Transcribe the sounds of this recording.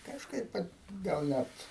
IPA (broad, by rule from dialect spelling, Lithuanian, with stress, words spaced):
kɐʃˈkɐɪp ʋɐt ɡɐlˠ ˈnʲæt